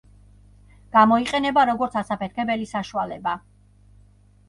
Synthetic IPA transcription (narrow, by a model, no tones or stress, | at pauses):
ɡ̥amɔiqʼɛnɛbaɾɔɡɔɾt̪sʰasapʰɛɾkʰɛbɛlisaʃualɛba